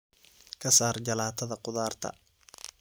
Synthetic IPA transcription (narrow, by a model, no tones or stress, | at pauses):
kʰɐsaːrd͡ʒɐlaːt̪ʰɐðɐqʊðaːrt̪ʰɐ̰